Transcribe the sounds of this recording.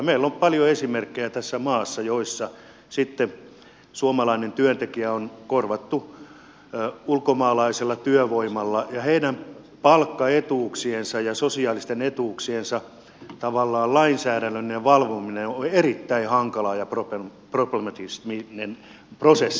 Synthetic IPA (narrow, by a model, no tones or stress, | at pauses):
jɑmeilːompɑljoesimerkːejæt̪æsːæmɑːsːɑjoisːɑ | sit̪ːe | suomɑlɑinent̪yønt̪ekiæonkorʋɑt̪ːu | ulkomɑːlɑiselːɑt̪yøʋoimɑlːɑjɑheidæm | pɑlkːɑet̪uːksiensɑjɑsosiɑːlist̪enet̪uːksiensɑ | t̪ɑʋɑlːɑːllɑinsæːɾænːøneʋɑlʋomineoerit̪ːæihɑŋkɑlɑːjɑpropeproplemɑt̪isminen | prosesː